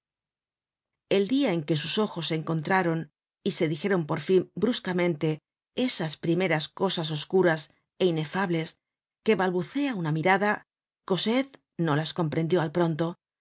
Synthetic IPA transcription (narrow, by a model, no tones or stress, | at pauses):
e̞ld̪iae̞ŋke̞suso̞xo̞sːe̞ŋko̞nt̪ɾaɾo̞n | ise̞ðixe̞ɾo̞mpo̞ɾfimbɾuskamẽ̞nt̪e̞ | e̞saspɾime̞ɾasko̞sas̬o̞skuɾas | e̞ine̞faβle̞s | ke̞βalβuθe̞aunamiɾaða | ko̞set̪ | no̞lasko̞mpɾe̞nd̪jo̞alpɾo̞nt̪o̞